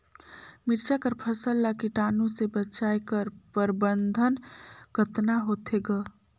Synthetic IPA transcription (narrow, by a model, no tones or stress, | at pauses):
miɾt͡ʃakəɾpʰəsəlːakiʈaːnũsebət͡ʃajkəɾpəɾbənd̪ʱənɡʱət̪naɦot̪ʰeɡə